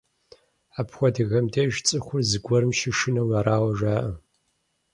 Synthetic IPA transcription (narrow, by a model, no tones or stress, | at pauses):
aːpʰxʷɔdɨɣɐmdejʒt͡sʼɨχʷʊrzɨɡʷɔɾɨmʃɪʂɨnɐwaɾaːwɐʒʷaːʔɐ